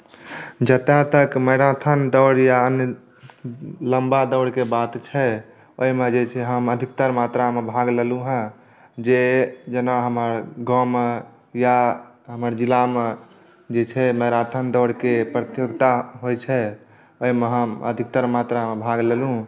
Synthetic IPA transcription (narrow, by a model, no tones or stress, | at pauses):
d͡ʒət̪ãt̪əkməɾat̪ʰənd̪ɔɽjaənjə | ləmbad̪ɔɽkebat̪t͡ʃʰɛ | oimed͡ʒet͡ʃʰɛɦəməd̪ʱik̚t̪əɾmat̪ɾamebʱaɡleluɦə̃ | d͡ʒed͡ʒənaɦəməɾɡɔ̃me | ja | ɦəməɾd͡ʒilame | d͡ʒet͡ʃʰɛməjɾat̪ʰənd̪ɔɽ̤kepɾət̪joɡt̪aɦojt͡ʃʰɛ | oimeɦəmə̰d̪ʱikt̪əɾmat̪ɾamebʱaɡlelũ